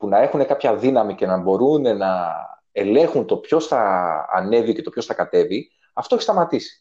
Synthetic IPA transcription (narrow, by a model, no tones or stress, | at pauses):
punɐe̞xune̞kɐpçɐðinɐmice̞nɐbo̞ɾune̞nɐ | e̞le̞xunt̪o̞pço̞sθɐ̰ːne̞vice̞t̪opçosθɐkɐt̪e̞vi | ɐft̪oeçist̪ɐmɐt̪isi̥